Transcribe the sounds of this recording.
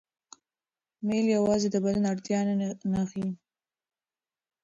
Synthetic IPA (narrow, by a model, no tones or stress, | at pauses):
meljawɑzed̪əbad̪anaɽt̪jɑnanaxi